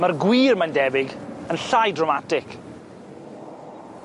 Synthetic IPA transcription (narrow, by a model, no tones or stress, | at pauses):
marɡwiːrmandɛvɪɡənɬajdrɔmatɪk